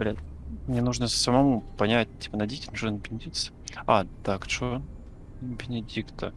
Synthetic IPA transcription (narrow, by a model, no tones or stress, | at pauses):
ɐɾʲætʲ | mnʲenuʐnəsəmɐmupɐnʲæt̚ʲtʲːi̥pənɐdʲitʲɪnuʐɨnbʲɪnʲɪdʲik̪sɨ̥at̪akt͡ɕo | bʲɪnʲɪdʲikt̪ə